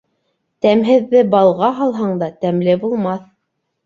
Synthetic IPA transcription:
t̪æmɦɘ̆ðːɘbɑlˠʁɑɦɑlˠɦɑɴd̪ɑt̪æmlɘbulˠmɑθ

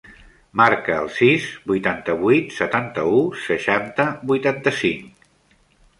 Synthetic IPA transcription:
maɾkə̰ːlˠsizbujt̪ant̪əβuit̪sət̪ant̪əusəʃant̪əbujt̪ant̪əsiŋk

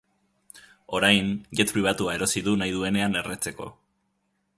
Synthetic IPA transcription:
o̞ɾajnʝet̪pɾiβ̞at̪uae̞ɾo̞siðunajð̞ue̞ne̞ane̞ret͡se̞ko̞̰

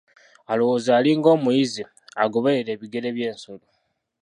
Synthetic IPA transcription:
alo̞wo̞ːzaːliːŋɡo̞ːmujizi | aɡo̞βeɾe̞ːβiɡe̞ɾe̞βje̞ːnso̞lo

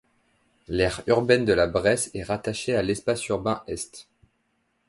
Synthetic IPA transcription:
lɛʁyʁbɛnd̪əlabʁɛsɛʁat̪aʃealɛspasyʁbɛ̃ʔɛst̪

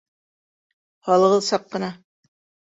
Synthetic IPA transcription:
hɑlˠɤ̆ʁɤ̆lˠsɑqːɤ̆nɑ

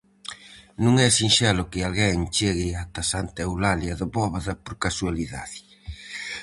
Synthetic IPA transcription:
nũŋɛsinʃɛlʊkɪalɣɛŋt͡ʃeɣɪat̪asant̪ewlaljaðʊβɔβaðapoɾkasualiða̰ði

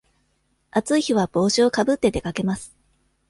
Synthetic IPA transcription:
at͡sɨiçiβ̞ab̥o̞ːɕio̞kabɯ̟t̪ːe̞d̪e̞kake̞masɨ̥

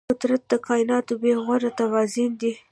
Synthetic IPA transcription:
ʊt̪ɾat̪̚d̪əkʰɑjɪnɑt̪obeɣwaɾat̪awɑzind̪i

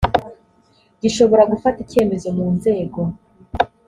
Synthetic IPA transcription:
ɟiʃo̞βo̞ɾaɡufatice̞ːme̞zo̞muːnze̞ːɡo̞

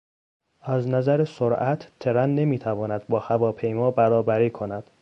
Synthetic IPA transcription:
ʔæznæzæɾesoɾʔæt̪ʰt̪ʰːeɾænːe̞miːt̪ʰævɒːnæd̪̥̚bɒːhævɒːpʰe̞jmɒːbæɾɒːbæɾiːkʰonæd̪̥

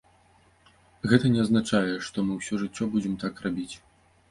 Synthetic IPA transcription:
ɣɛt̪ɐnʲɛɐznat͡ʂajɛʂt̪ɔmɨwsʲɔʐɨt͡sʲːɔbud͡zʲɛmt̪akrabʲit͡sʲ

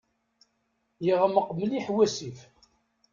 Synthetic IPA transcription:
jəʁəməqməliħwæsif

